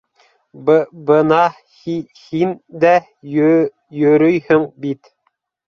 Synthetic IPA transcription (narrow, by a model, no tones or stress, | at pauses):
bɤnɑ | hi | hind̪æ | jɵ̆ɾɵjhɵŋbit̪